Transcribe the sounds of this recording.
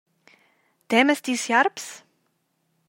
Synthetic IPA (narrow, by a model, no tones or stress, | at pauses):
d̪̥eːməst̪isjaɾps